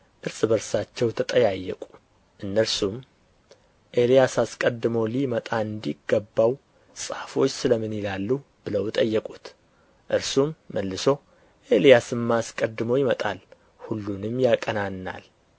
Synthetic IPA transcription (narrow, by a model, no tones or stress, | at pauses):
ʔɨɾsɨbəɾsat͡ʃːɛwt̪ʰət̪ʼəjajːɛ̰kʼu̥ | ʔɨnːəɾsum | ʔe̞lijasaskʼəd̪ːɨmolimət̪ʼaɨnd̪iɡəbːaw | sʼahfo̞t͡ʃːsɨləmɨnjɪlalːub̥ɨləwɪt̪ʼəjːəkʼut̪ | ʔɨɾsumːəlːɨso̞ | ʔe̞lijasɨmːaskʼəd̪ːɨmojɪmət̪ʼal | hulːunɨmjakʼənanːa̰l